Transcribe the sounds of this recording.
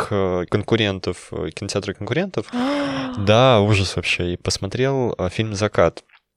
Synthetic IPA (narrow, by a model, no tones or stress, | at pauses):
xəkənkʊɾʲe̞nt̪əfkʲɪnətʲɪat̪ɾəkənkʊɾʲe̞nt̪əf | d̪auʐəsvɐpɕːeipəsmɐt̪ɾʲe̞lˠəfʲilʲmzɐkat̪